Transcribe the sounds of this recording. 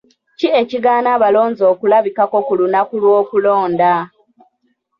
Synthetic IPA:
cieciɡaːnaːβalo̞ːɲzo̞ːkulaβikako̞kulunakulwo̞ːkulo̞ːnda

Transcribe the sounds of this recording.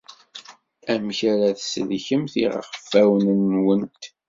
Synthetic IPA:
æmçæɾæθsəlçəmθiʁa̰χəfːæwənənwənt̪

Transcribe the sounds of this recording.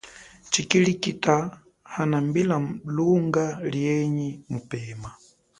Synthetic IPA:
t͡ʃikilikita | hanambilaluŋɡaljɛɲimupɛːma

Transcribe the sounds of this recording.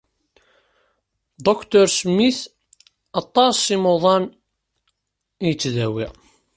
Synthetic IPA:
d̪okt̪ɔɾsmːiθ | ɑt̪ˤːɑsimoðˤɑn | ijət͡sːðæwḭʁ

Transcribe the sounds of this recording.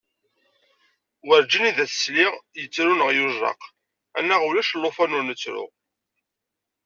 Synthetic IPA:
wəɾd͡ʒiniðæθə̥sliʁjət͡sːɾunəʁjuʒɑ̰q | ænːæʁulæʃlːofænunət͡sːɾʊ̰

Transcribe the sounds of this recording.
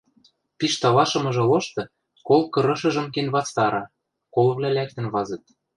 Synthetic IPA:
piʃt̪ɑlɑʃɤ̆mɤ̆ʒɤ̆loʃt̪ɤ̆ | kolkɤ̆ɾɤ̆ʃɤ̆ʒɤ̆mkenβɑt͡st̪ɑɾɑ | kolɤ̆βlælæk̚t̪ə̆nβɑzɤ̆t̪̚

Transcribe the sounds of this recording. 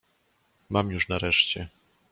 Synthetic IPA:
mamjuʂnaɾɛʂt͡ɕɛ

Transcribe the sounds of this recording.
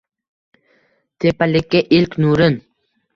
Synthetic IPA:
t̪ʰepalɪkʲːaʔɪlkʲnuɾɪn

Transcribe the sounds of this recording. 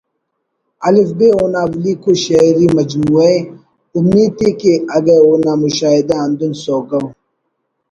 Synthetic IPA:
ɐlifbeoːnaːbliːkoɕaiɾimɐd͡ʒmuee | umiːd̪̚ekeɐɡeoːnamuʃaːid̪aːnd̪unsoːɡɐw

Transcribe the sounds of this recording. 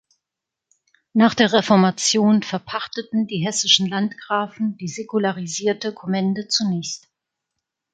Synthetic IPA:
naːχd̥eːɐʁ̞efɔɐmat͡sjoːnfɛɐpʰaχtətn̩diːɦɛsɪʃn̩lantɡ̥ʁaːfn̩d̥iːzekulaʁiziːɐtəkʰomɛndət͡sunɛːçst

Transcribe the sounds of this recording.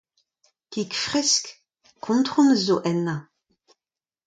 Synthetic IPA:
kikfʁɛsk | kʰɔ̃ntχɔ̃məzoʔɛnːa

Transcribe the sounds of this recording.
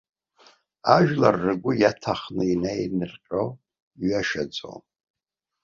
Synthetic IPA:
aʒᶣlarːɨɡʷʊjatʰaχnɨinejnɨrqʲʼow | ɥiaʃad͡zʼo̰

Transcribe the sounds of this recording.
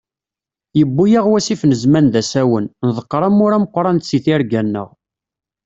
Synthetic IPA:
jəbːujaʁwæsifnəzmænðæsæwənnðˤəqːɾˤəmʊɾæməqːɾˤɑnt̪siθiɾɡænːə̰ʁ

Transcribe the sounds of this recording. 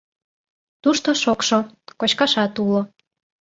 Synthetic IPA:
t̪uʃt̪oʃokʃokot͡ɕkɑʃɑt̪ulo

